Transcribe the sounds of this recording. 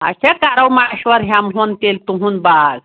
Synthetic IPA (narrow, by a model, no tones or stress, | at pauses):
ə̰ɕakaɾawmaɕʋəɾɦjamɦont̪elt̪uɦũːnbaɡ